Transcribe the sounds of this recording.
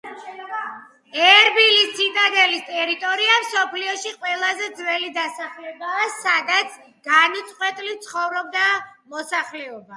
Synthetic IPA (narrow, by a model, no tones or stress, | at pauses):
ɛɾbilissit̪ʼad̪ɛlist̪ʼɛɾit̪ʼɔɾiamsɔpʰliɔʃiqʼwɛlˠazɛd̪zwɛlid̪asaχlɛbaːsad̪at̪sʰ | ɡanit̪sʼqʼwɛt̪ʼlit̪sʰχɔvɾɔbd̪amɔsaχlɛɔba